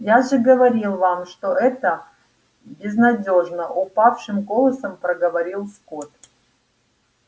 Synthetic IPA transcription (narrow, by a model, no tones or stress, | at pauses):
jaʐɨɡəvɐɾʲilˠvamʂt̪oʔɛt̪ə | bʲɪznɐdʲo̞ʐnəʔʊpafʂɨmɡolˠəsəmpɾəɡəvɐɾʲilˠskot̪